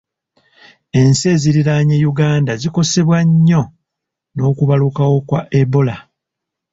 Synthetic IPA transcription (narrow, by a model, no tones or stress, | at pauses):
e̞nse̞ziɾiɾaɲe̞juɡaːndaziko̞se̞βwaɲːo̞ | no̞ːkuβalukawo̞kwaʔebo̞la